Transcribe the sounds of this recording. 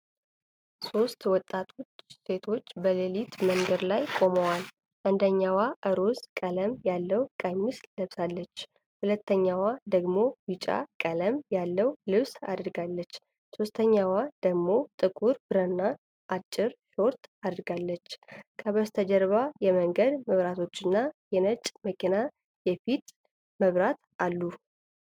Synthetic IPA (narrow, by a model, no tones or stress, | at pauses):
so̞st̪wɔt̪ʼat̪ʰo̞t͡ʃse̞t̪ʰo̞t͡ʃːbəlelit̪məŋɡəɾlajkʼo̞məwal | ʔɨnd̪əɲːawaʔəɾo̞skʼələmjalːəwkʼamːisləβsalːət͡ʃː | hulət̪ːəɲːawad̪əɡmo̞wit͡ʃʼa̰kʼələmjalːəwlɨβsa̰d̪ɾɡalːət͡ʃː | sost̪ʰəɲːawad̪əɡmo̞t̪ʼɨkʼuɾbɨɾənːa | ʔat͡ʃʼːɪɾʃo̞ɾt̪ad̪ɾɡalːət͡ʃːkʰəβəst̪ʰəd͡ʒəɾβajɛməŋɡəd̪məβɾat̪ʰo̞t͡ʃːɨnːajɛnət͡ʃʼməkina | jɛfit̪ | məβɾat̪ | alːu